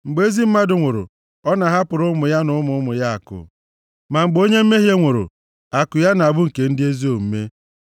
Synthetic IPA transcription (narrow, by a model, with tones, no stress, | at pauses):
ŋ͡m̩˨ɡ͡be˦zi˦m̩˦ma˦dʊ˨ŋʷo˨ɾʊ̰˨ | ɔ˦na˨ɦa˦pʊ˨ɾʊ˦mʊ˨ja˦nʊ˦ʊ˦mʊ˦mʊ˨ja˦a˨kʊ̰˨ | ma˨ŋ͡m̩˨ɡ͡bo˦ɲe˦m̩˦me˦ɦje˦ŋʷo˨ɾʊ̰˨ | a˨kʊ˨ja˦n˨a˨bʊ˦ŋ̩˨ke˨n̩˦dɪ˦e˦zi˦o˨m̩˦me˦